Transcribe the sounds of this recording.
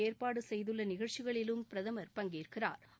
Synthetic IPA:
eːɾpaːɽɯsɛjðɯɭːɐnɪɣɐɭt͡ʃɪɣɐɭɪlɯmpɪɾɐðɐmɐɾpɐŋɡiːrkɪra̰ːɾ

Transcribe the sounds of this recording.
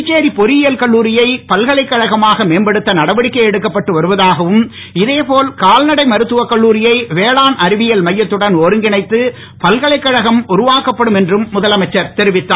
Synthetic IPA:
ɪt͡ʃːeːɾipɔɾɪjɪjɐlkɐɭːuːɾɪjɐɪpɐlɣɐɭɐɪkːɐɻɐɣɐmaːɣɐmeːnbɐɽɯt̪ːɐnɐɽɐʋɐɽɪkːɐɪɛɽɯkːɐpːɐʈːɯʋɐɾɯʋɐðaːɣɐʋɯm | ɪðeːpoːlkaːlnɐɽɐɪmɐɾɯt̪ːɯʋɐkːɐɭːuːɾɪjɐɪʋeːɭaːnɐɾɪʋɪjɐlmɐjːɐt̪ːɯɽɐnɔɾɯŋɡɪɳɐɪt̪ːɯ | pɐlɣɐɭɐɪkːɐɻɐɣɐmʊɾʊʋaːkɐpːɐɽɯmɛndrɯmːʊðɐlɐmɐɪt͡ʃːɐɾt̪ɛɾɪʋɪt̪ːaː

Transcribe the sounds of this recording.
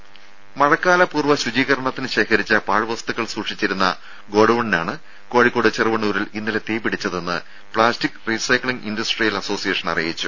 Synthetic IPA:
mɐɻɐkːaːlɐpuːrʋɐɕud͡ʑiːɣɐɾɐɳɐt̪ːinɨɕe̞ːkʰɐɾit͡ɕːɐpaːɻɨʋɐst̪uɣɐɭsuːʂit͡ɕːiɾunːɐ̰ | ɡo̞ːɽɐʋɐɳinaːɳɨ | ko̞ːɻikːo̞ːɽɨt͡ɕerɨʋɐɳuːɾilinːile̞t̪iːpiɽit͡ɕːɐðe̞nːɨ̰ | pɭaːstikːrisɐjkɭiŋindɐsʈrijɐlɐso̞ːsijeːʂɐnɐ̰rijit͡ɕːu

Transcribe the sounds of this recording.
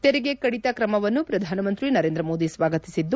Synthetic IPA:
t̪eɾɛɡekɐɽit̪ɐkɾɐmɐʋɐnːupɾɐd̪ʱaːnɐmɐnt̪ɾinɐɾeːnd̪ɾɐmo̞ːd̪isʋaːɡɐt̪isid̪ːu

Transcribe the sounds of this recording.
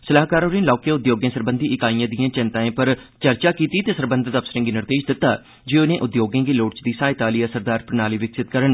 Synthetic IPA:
səlaːɦkaːɾoːɾĩːnlaːkeʊd̪joːɡẽːsəɾbə̃nd̪ʱiːʔɪkaːijãːd̪ɪjãːt͡ʃɪ̃nt̪aːẽːpəɾ | t͡ʃəɾt͡ʃaːkiːt̪iːt̪eːsəɾbənd̪ʱt̪əpsəɾẽːŋɡiːnɪɾd̪eːʃd̪ɪt̪ːaː | d͡ʒeːʊnẽːʔʊd̪joːɡẽːɡiːloːʈt͡ʃd̪iːsaːɪt̪aːliːaːsəɾd̪aːɾpɾnaːliːʋɪksɪt̪̚kəɾən

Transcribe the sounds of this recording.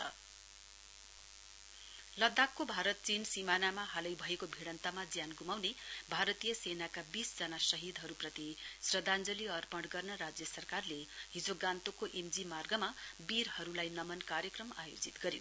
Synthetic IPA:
lʌd̪akːobʱaɾʌt̪̚t͡sinsimanamaɦalʌjbʱʌekobʱiɽʌnt̪amad͡zjanɡumawnebʱaɾʌt̪ijʌsenakabisd͡zʌnasʌɦid̪ɦʌɾuprʌt̪isrʌd̪and͡zʌliʌrpʌɽɡʌrnʌɾad͡zjʌsʌrkarleɦid͡zoɡãnt̪okoʔemd͡zimarɡʌmabiɾhʌɾulajnʌmʌnkaɾjʌkrʌmajo̰d͡zit̪ɡʌɾjo

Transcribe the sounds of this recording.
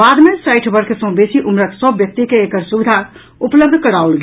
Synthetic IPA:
bad̪mesaɪʈʰbəɾkesə̃besiʔumɾəksəbːjək̚t̪ikeːkəɾsubɪd̪ʱa | upləb̚d̪ʱkəɾaulɡ

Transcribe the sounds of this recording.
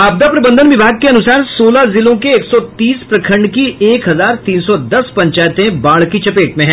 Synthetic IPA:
aːb̚d̪apɾɐbə̃nd̪ʱənʋɪbʱaːɡ̚keɐnʊsaːɾsoːlazɪlõkeːksɔt̪iːspɾɐkʰə̃ɳɖkieːkɦɐzaːɾt̪iːnsɔd̪ɐspɐ̃ɲt͡ʃaːjt̪ẽbaːɭkit͡ʃɐpeːʈmẽɦɛ̃ː

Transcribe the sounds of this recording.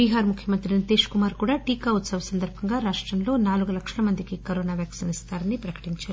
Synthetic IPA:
biːɦaːɾmukʰjɐmɐnt̪ɾinit̪eːʃkumaːɾkuːɽaːʈiːkaːut̪sɐʋɐsɐnd̪ɐɾbʱɐŋɡaːɾaːʂʈɾɐmloːnaːluɡulɐkʂɐlɐmɐnd̪ikikɐɾoːnaːʋjaːksɐnist̪aːɾɐnipɾɐkɐ̥ʈiɲt͡ʃaːɾu

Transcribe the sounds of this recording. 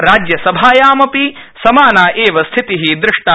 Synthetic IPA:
ɾaːd͡ʒjɐsɐbʱaːjaːmɐpi | sɐmaːnaːʔeːʋɐst̪ʰit̪iɦid̪ɾɪʂʈa

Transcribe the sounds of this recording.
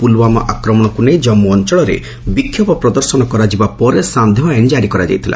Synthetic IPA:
pulwamɔ̰ʔakɾɔmɔɽ̃ɔkunejd͡ʒɔmːɔːnt͡ʃɔɭɔɾḛ | bikʰjɔpɔpɾɔd̪ɔɾsɔnɔkɔɾad͡ʒibapɔɾesand̪ʱebaenid͡ʒaɽikɔɾad͡ʒa̰jt̪ʰila̰

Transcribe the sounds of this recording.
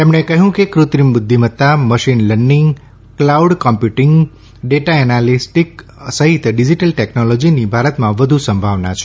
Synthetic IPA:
t̪emɳ̃ekəɦjũkekɾut̪ɾimbud̪ʱːimət̪aməʃinləɳɖiŋɡ | klauɖkɔmpjuʈiŋɡ | ɖeʈaɛnalisʈiksəɦit̪ɖid͡ʒiʈəlʈeknɔlɔd͡ʒinibʱaɾət̪mãʋəd̪ʱusəmbʱaʋnat͡ʃʰe

